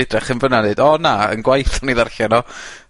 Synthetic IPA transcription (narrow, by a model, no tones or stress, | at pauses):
ɪdrɛχənvənaneɨdɔnaə̰nɡwajθɔniðarɬɛnɔ